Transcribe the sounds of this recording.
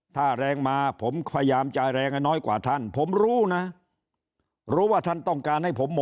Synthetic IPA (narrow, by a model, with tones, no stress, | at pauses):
t̪ʰaː˥˩ɾɛː˧ŋmaː˧pʰo˩˦mkʰa˧jjaː˧mt͡ɕaː˧jɾɛː˧ŋha˥˩jnɔː˦˥jkwa̰ː˨˩t̪ʰa˥˩npʰo˩˦mɾuː˦˥na˦˥ | ɾuː˦˥waː˥˩t̪ʰa˥˩nt̪ɔ˥˩ŋkaː˧nha˥˩jpʰo˩˦mːo˨˦